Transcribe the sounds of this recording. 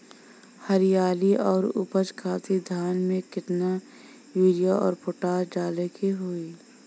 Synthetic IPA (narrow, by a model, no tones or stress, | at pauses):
həɾijaːliʔɔːɾʊ̰pət͡ʃkʰaːt̪ʰid̪ʱaːnmẽkɪt̪na | jiːlijaʔɔ̰ːɾpʰʊʈaːɾd͡ʒaːlekiɦoːiː